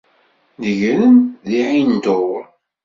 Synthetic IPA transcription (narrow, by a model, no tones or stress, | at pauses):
nəʝɾənðiʕind̪oɾ